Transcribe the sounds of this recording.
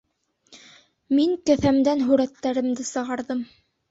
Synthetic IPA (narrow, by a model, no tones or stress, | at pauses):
miŋkɘ̆θæmd̪ænɦʉɾæt̪ːæɾɘ̆md̪ɘsɤ̆ʁɑɾðɤm